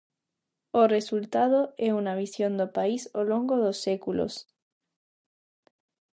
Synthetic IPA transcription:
oresult̪aðoeunaβ̞isjond̪opaisoloŋɡoðosːekulo̰s

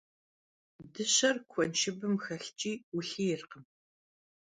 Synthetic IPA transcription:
dɨɕɐrkʷʰɔnʃʰɪbɨmxɐɬt͡ʃʼiːwʊɬiːjɪrqəm

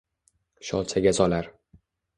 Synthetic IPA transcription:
ʃɒlˠt͡ʃʰaɡʲazɒlaɾ

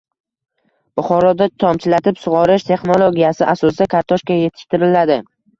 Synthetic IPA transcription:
b̥ʊχɒɾɒd̪at̪ʰɒmt͡ʃʰɪlat̪ʰɪpsʊʁɒɾɪʃt̪ʰe̞χno̞lˠoɡʲijasɪʔasɒsɪd̪akʰaɾt̪ʰɒʃkʲaje̞t̪ʰɪ̥ʃt̪ɪɾɪlad̪ɪ

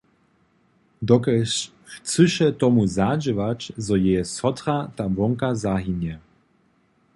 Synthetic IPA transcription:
d̪ɔkɛʃ | xt͡sɨʃɛt̪ɔmuzad͡ʑəvat͡ɕzɔjɛjɛsɔt̪rat̪avɔŋkazaɦinjɛ

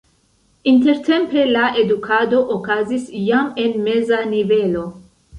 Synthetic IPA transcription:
inte̞ɾte̞mpe̞lae̞dukʰado̞ʔokazisjame̞nme̞zanive̞lo̞

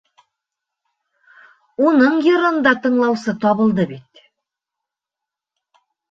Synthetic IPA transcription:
unɤɴjŏɾɤ̆nd̪ɑt̪ɤ̆ɴlˠɑwsɤt̪ɒβɤ̆lˠd̪ɤbit̪

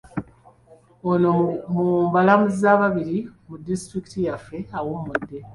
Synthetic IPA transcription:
onomumbalamuzizaːβaβiɾimudːistɾiki̥tijafːe̞awomudːe̞

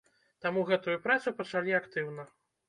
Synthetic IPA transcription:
t̪amuɣɛt̪ujupɾat̪supɐt͡ʂalʲiakt̪ɨwnɐ

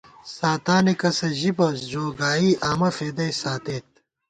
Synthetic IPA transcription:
saːt̪aːnikɐsɐʑibɐsd͡ʑoːɡaːiːʔaːmɐfeːd̪ɐjsaːt̪eːt̪̚

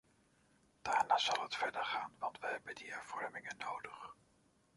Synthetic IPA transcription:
d̥aːɹnaːz̥ɑlˠɦətfɛdəɹχaːnʋɑntʋəɦɛbəndiɦɛɹv̥ɔɹmɪŋənːowdəχ

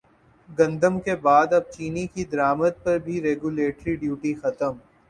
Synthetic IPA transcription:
ɡɐ̃nd̪əmkebaːd̪ɐb̚t͡ʃiːnikid̪ɐɾaːmət̪̚pɐɾbʱiɾeːɡuleːʈɾiɖjuːʈixɐt̪əm

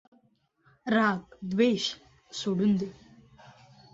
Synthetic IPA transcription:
ɾakd̪ʋeɕ | soɽuːnd̪e

